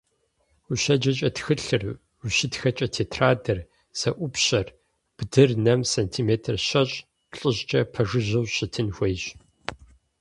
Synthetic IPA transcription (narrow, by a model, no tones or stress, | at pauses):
uɕɐd͡ʒɐt͡ʃʼɐtxɨɬɨr | uɕɪtxɐt͡ʃʼɐtʰeːtʰraːdɐr | z̥ɐʔʷʊpɕɐr | b̥dɨrnɐmsɐntʰiːmeːtʰɨrɕɐɕʼ | ɬʼɨʑd͡ʒʼɐpʰɐʐɨʑɐwɕɪtʰɨnxʷejɕ